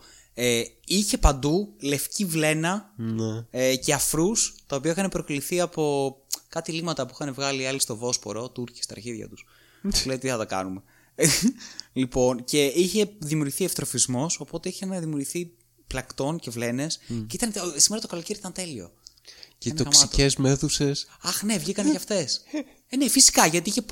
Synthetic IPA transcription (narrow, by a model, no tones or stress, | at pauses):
eiçe̞pɐnd̪ule̞fcivle̞nɐnce̞ɐfɾust̪ɐo̞piɐixɐnepɾo̞kliθiɐpo̞kɐt̪ilimɐt̪ɐpuixɐnevɣɐliɐlist̪o̞vo̞spo̞̰ɾo̞t̪uɾci̥st̪ɐːɾçiðʝɐ̰t̪us | ulet̪iθɐt̪ɐkɐ̰nume | lipo̞nce̞içe̞ðimijuɾʝiθiɐft̪ɾo̞fizmo̞so̞po̞t̪e̞içenðimiuɾʝiθi | plɐkt̪o̞nce̞vle̞ne̞sceit̪ɐnsimeɾɐt̪okɐlo̞ceɾiit̪ɐnt̪e̞lio̞̰ | ceint̪oksicezme̞θuse̞s | ɐxnevʝikɐnecɐft̪e̞s | nefisi̥kɐʝɐt̪iiçe